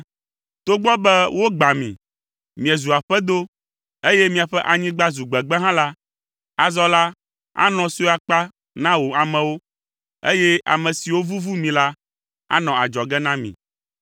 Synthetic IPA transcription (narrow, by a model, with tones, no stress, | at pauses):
t̪o˦ɡ͡bɔ˦bɛ˦wo˦ɡ͡ba˨mḭ̃˨ | mĩ˨ɛ˨zu˨a˨ɸɛ˦d̪o˦ | e˦jɛ˦mĩ˨a˨ɸɛ˦ʔa˨ɲĩ˦ɡ͡ba˦zu˨ɡ͡bɛ˨ɡ͡bɛ˦ɦã˦la˦ | a˨zɔ˦la˦ | a̰˦nɔ̃˨so˦a˨k͡pa˦ | nã˦wo˨a˨mɛ̃˨wo˦ | ḛ˦jɛ˦ʔa̰˨mɛ̃˨si˨wo˦vu˦vu˦mĩ˨la˦ | a̰˦nɔ̃˨a˨d͡ʒɔ˨ɡɛ˦nã˦mḭ̃˨